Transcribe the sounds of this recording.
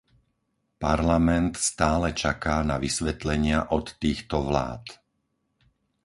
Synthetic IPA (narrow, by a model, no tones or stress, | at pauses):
paɾlamɛnt̪st̪aːlɛt͡ʃakaːnaʋisʋɛt̪lɛɲɪaʔɔt̪ːiːxt̪ɔʋla̰ːt̪